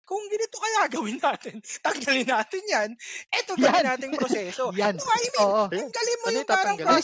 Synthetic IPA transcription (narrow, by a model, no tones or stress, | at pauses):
kʊŋɡɪnɪt̪okɐjaɡɐwɪnaːt̪ɪnt̪ɐɡd̪ɐlɪnːaːt̪ɪnjanʔɛt̪ojɡɐanaːt̪ɪŋɾosɛːso̞janoʔaʔɪmɐŋɡ̪ɐlɪnmːojʊŋːaːɾɐŋɾ